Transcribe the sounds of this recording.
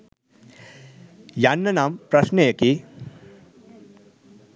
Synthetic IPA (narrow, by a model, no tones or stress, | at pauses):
janːɐnaːmpɾɐʃnejɐki